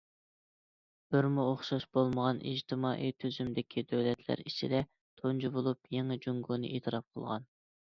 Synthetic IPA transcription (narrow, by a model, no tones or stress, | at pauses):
b̥ɪɾmuoχʃɑʃb̥olˠməʁɑnʔḭd͡ʒt̪ʰɪmɑːʔit̪ʰyzymd̪ɪkʲʰid̪øwlɛt̪ʰlæ̰ɾit͡ʃʰid̪ɛ | t̪ʰond͡ʒibolˠupjeŋɨd͡ʒuŋɡunɨ̰ʔet̪ʰɨɾɑp̚qʰəlˠʁɑ̰n